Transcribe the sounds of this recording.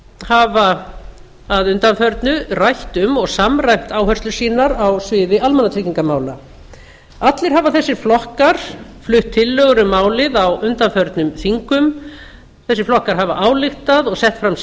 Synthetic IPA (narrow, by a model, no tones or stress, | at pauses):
haːvaː | ðʏnt̪anfœɾt̪nʏrajht̪ʏmɔɣsamrajm̥t̪aːwɦœrst̪lʏ̥siːnaɾawsvɪðɪʔalmɛnat̪ʰiciŋkamaːwla̰ | at̪lɪɾ̥ɦavaθɛsːɪɾ̥flɔhkaɾ̥flʏht̪ʰːɪlːœɣɾʏmaːwlɪðawʏnt̪anfœɾt̪nʏmθiŋkʏm | θɛsːɪɾflɔhkaɾ̥ɦavaʔaːwlɪxt̪aðɔɣsɛht̪fɾam